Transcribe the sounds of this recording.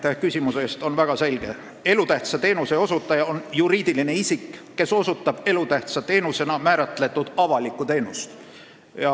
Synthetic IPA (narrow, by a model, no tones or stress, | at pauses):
t̪ehkysʲimuse̞st̪o̞nvæɡ̥ɑse̞lʲɡ̥e̞ | e̞lut̪æht̪sɑt̪e̞ːnuseo̞sut̪ːˑɑjɑo̞njuɾiːd̪̥iline̞isikː | e̞so̞sut̪ːˑɑb̥e̞lut̪æht̪sɑt̪e̞ːnuse̞nɑmæːɾɑt̪ˑle̞t̪ːˑud̪̥ɑvɑlikːˑut̪e̞ːnust̪ | jɑ